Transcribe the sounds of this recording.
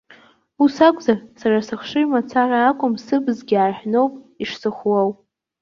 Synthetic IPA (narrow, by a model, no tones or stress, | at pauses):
usakʷʼzarsarasɨχʂɨmat͡sʰarʲaːkʷʼʊmsɨbzɡʲɪaːħʷᶣno̞wpʼiʂsɨχwawpʼ